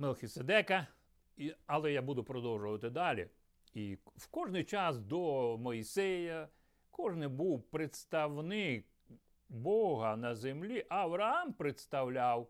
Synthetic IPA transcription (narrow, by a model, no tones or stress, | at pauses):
melˠxʲised̪ɛkɐ | iɐlˠɛjabud̪ʊpɾɔd̪ɔwʒʊʋɐt̪ɪd̪ɑlʲḭ | iwkɔʒnɪjt͡ʃɑsd̪ɔmɔisɛjɐ | kɔʒnɪjbuwpɾet̪st̪ɐwnɪk̚ | bɔɦɐnɐzemlʲiʔɐʋɾɐɑmpɾet̪st̪ɐwlʲaw